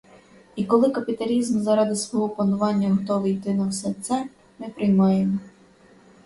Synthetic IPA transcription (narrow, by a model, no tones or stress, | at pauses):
ikɔlˠɪkɐpʲit̪ɐlʲizmzɐɾɑd̪ɪsʋɔɦɔplˠɐnʊʋɑnʲːɐɦɔt̪ɔʋejt̪ɪnɐwsɛt̪sɛ | mɪpɾɪjmɑjemɔ